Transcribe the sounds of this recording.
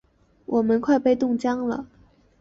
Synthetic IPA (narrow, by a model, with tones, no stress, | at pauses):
wʔɔ˨˩mə˦nkʰwa˥˧ɪpe˥˧ɪt̪ʊ˥˩ŋt͡ɕjɑ˥ŋlə̰˨